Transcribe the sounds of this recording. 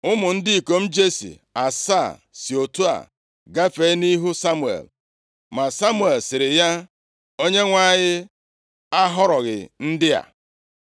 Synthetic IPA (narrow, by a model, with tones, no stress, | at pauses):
ʊ˦mʊ˨n̩˦dɪ˦i˨ko˨m̩˦d͡ʒe˦sḭ˨ | a˨sa˦˨si˨o˨tu˦a̰˨ | ɡa˦fe˦ni˦ɦu˦sa˦mu˨ḛ˨l | ma˨sa˦mu˨e˨lsɪ˨ɾɪ˨ja˦ | o˦ɲe˦ŋʷa˦˨ɲɪ˦ | a˦ɦɔ˦ɾɔ˨ɣɪ̰˨n̩˦dɪ˦a̰˨